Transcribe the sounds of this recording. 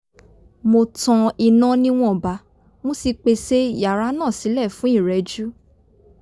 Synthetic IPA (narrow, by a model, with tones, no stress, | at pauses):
mo˧tã˧i˧nã˧˦nĩ˦w̃ɔ̃˦˨ba˨˧˦ | mɔ̃˦si˧k͡pe˧se˦ja˨ɾa˨˦nãː˦˨si˨˦lɛ˦˨fũ˨˦i˦˨ɾɛ˨˦d͡ʒu˦